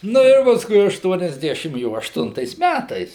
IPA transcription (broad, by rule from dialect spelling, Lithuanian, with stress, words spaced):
ˈnʊ ɪr pɐsˈkʊɪ ɐʃtuɔnʲɛzʲˈdʲæːʃʲɪm ˈjoː ɐʃˈtʊntɐɪs ˈmʲætɐɪs